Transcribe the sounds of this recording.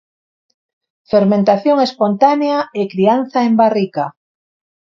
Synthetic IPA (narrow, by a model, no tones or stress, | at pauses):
feɾmẽnt̪aθjoŋespont̪aneaekɾianθaembarika